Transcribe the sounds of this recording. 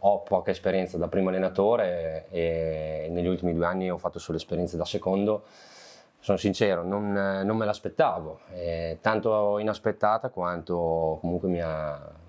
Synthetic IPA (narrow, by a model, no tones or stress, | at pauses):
ɔpɔːkaespeɾjɛnt̪sad̪apːɾiːmoalːenat̪oːɾeː | neʎːult̪imid̪ueanːiɔfːat̪ːosoːlespeɾjɛnsed̪asekond̪o | sonosint͡ʃɛːɾononːomːelaspet̪ːaːvoɛt̪ant̪oinaspet̪ːaːt̪akwant̪okomuŋkwemia